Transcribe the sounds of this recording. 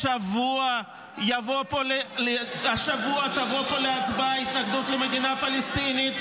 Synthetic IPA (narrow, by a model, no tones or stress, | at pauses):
ʃavua | javo̞polelehaʃavuat̪avo̞po̞leat͡sbait̪naɡd̪ut̪lemed̪inapalest̪init̪